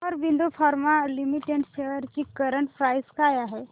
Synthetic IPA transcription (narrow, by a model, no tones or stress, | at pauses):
ɔɾbind̪ufʰaɾmalimiʈeɖɕejəɾt͡ɕikəɾəɳʈpɾajskajaɦe